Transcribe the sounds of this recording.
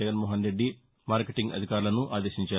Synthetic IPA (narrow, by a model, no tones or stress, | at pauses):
ɐɡɐnmoːɦɐnɾe̞ɖːi | maːɾkeʈiŋɡɐ̰d̪ʱikaːɾulɐnuʔaːd̪eːʃiɲt͡ʃaː